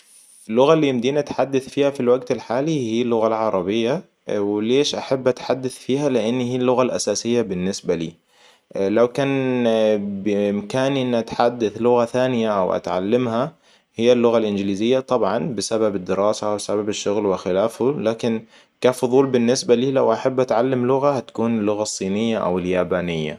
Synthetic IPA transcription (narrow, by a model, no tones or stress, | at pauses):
ɪlːʊɣalːiːɪmd̪iːnʔat̪ħad̪ːaθfiːhafilwaɡt̪ɪlħaːlihiːlːʊɣalʕɑɾˤɑbɪjːa | wɪleːʃʔaħabːʔat̪ħad̪ːaθfiːhalɪʔɪnːhiːlːʊɣalʔasaːsɪjːabɪnːɪsbalḭː | lawkaːn | bɪɪmkaːniʔɪnːʔat̪ħad̪ːaθlʊɣaθaːnɪjaʔa̰wʔa̰t̪ʕa̰lːamha | hɪjːalːʊɣalʔɪnɡliːzɪjːat̪ˤɑbʕɑnbɪsababɪd̪ːɪɾɑːsawsababɪʃːʊɣlwɪxɪlaːfulaːkɪn | kaːfʊðˤuːlbɪnːɪsbaliːlawʔaħabːʔat̪ʕalːamlʊɣahat̪ḁkuːnɪlːʊɣasˤːiːnɪjːaʔa̰wɪljaːbaːnɪjːa̰